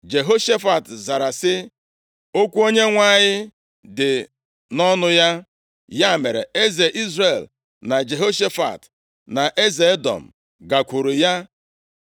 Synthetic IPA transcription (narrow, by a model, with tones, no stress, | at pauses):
d͡ʒe˨ɦo˦ʃe˦fa˨tza˨ɾa˨sɪ˦ | o˦kʷu˦o˦ɲe˦ŋʷa˦˨ɲɪ˦ | dɪ˨ | nɔ˦nʊ˦ja˦ | ja˦˨me˨ɾḛ˨e˦ze˨ʔi˦zre˨l | na˨d͡ʒe˨ɦo˦ʃe˦fa̰˨t | na˨ʔe˦ze˨e˦dɔ̰˨m̩˨ | ɡa˨kʷu˨ɾu˨ja˦